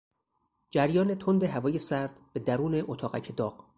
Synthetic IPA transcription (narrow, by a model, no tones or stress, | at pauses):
d͡ʒæɾjɒːnet̪ʰond̪eɦævɒːje̞sæɾd̪̥b̥e̞d̪æɾuːne̞ʔot̪ʰɒːɣæ̰cʰed̪ɒːɢ̥